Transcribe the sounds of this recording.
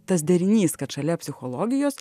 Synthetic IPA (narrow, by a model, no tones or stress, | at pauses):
t̪ɐsd̪ʲɛɾʲɪnʲiːskɐt̪ʃɐlʲɛpʲsʲɪxolˠɔːɡʲɪjoːs